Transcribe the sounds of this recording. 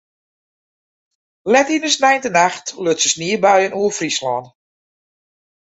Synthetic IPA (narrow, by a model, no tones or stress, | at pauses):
lɛtinəsnɛjntənaxtløtsəsniːəbɛjənuəfrislɔːn